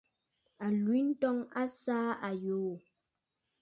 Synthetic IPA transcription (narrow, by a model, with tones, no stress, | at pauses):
a˨lwi˨˦n̩˦tɔ˦ŋa˦saː˦a˨joː˨˦˨